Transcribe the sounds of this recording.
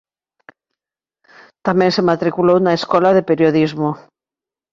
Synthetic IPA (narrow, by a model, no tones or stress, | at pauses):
t̪amẽnsemat̪ɾikulownaeskɔlaðepeɾjoðizmo